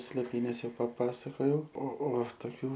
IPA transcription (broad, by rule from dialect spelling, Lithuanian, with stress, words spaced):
sʲlʲeːˈpʲiːnʲɛs ˈjɛʊ pɐˈpɑːsɐkoːjɛʊ oː oː toːˈkʲuː